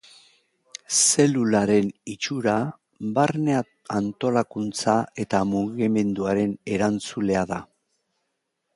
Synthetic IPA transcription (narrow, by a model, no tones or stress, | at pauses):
se̞lulaɾe̞nit͡ʃuɾa | βarnea | ant̪o̞lakunt͡sae̞t̪amuɣime̞nd̪uaɾe̞ne̞ɾant͡sule̞aða